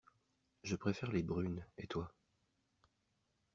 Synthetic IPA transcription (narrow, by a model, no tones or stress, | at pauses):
ʒəpχefɛʁlebʁynet̪wa